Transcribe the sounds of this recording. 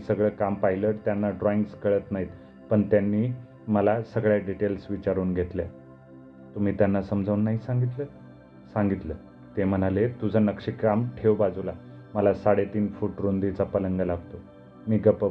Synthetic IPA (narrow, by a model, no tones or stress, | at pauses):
isəɡɭəkampailəɾt̪janːaɖɾɔiŋɡskəɭət̪naɦit̪ | pəɳt̪janːiː | məlasəɡɭjaɖiʈelsʋit͡ɕaɾuːnɡʱet̪lja̰ | t̪um̤iːt̪janːasəmd͡zʱəuːnːaɦisãŋɡit̪lə | saŋɡit̪lə | t̪em̤ənalet̪ud͡zʱənəkʂikamʈʰewbad͡zula | məlasaɽet̪iːnfuːʈɾund̪it͡sapələŋɡəlaɡt̪o | miːɡəpə